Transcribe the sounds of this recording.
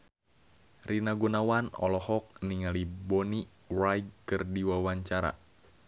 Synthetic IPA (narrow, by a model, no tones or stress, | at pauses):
rinaɡunawanɔ̰lɔhɔk̚niŋalibɔni | rajd̚kɨrdiwawaɲt͡ʃaɾa̰